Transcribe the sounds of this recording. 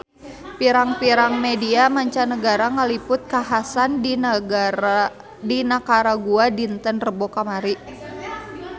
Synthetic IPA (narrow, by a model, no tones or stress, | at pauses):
piɾaŋpiɾaŋmediamaɲt͡ʃanəɡaɾaŋəlipʊt̪̚kaɦasandi | dinakaɾaɡuadint̪ənrəbokamaɾiʔ